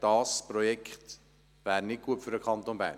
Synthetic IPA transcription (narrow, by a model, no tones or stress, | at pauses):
d̥ɑːspɾɔjɛkχt̪ | væːɾnɪt̚ɡ̥uətfʏɾdəkʰχɑnt̪onbæ̰ː